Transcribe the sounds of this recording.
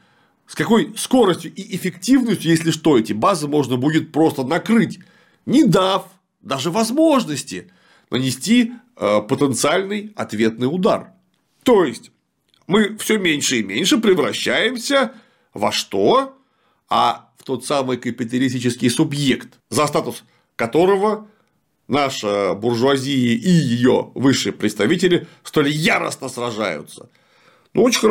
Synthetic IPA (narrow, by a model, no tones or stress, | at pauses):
skɐko̞jsko̞ɾəsʲtʲjʊʔɪʔɪfʲɪktʲivnəsʲtʲjʊjesʲlʲɪʂt̪o̞ɛtʲɪbazɨmo̞ʐnəbudʲɪt̪̚pɾo̞st̪ənɐkɾɨtʲ | nʲɪd̪af | d̪aʐɨvɐzmo̞ʐnəsʲtʲɪ | nʔə̰nʲɪsʲtʲi | pət̪ənt̪sɨalʲnɨjɐ̰t̪vʲe̞t̪nɨjʊd̪a̰r | t̪o̞jɪsʲtʲ | mɨfsʲɵmʲenʲʂɨɪmʲenʲʂɨpɾʲɪvɾɐɕːæjɪmsʲə | vɐ̰ʂt̪o̞ | a̰ft̪o̞t̪samɨjkəpʲɪt̪̬ɐlʲɪsʲtʲit͡ɕɪskʲɪjsʊbjekt̪ | zɐst̪at̪ʊs | kɐt̪o̞ɾəvə | naʂɨbʊrʐʊɐzʲijɪʔijɪjo̞̰vɨʂːɨjəpɾʲɪt̪st̪ɐvʲitʲɪlʲɪst̪o̞lʲɪjaɾə̰snəsrɐʐa̰jʊ̰t̪sə̥̰ | nṵot͡ɕɪx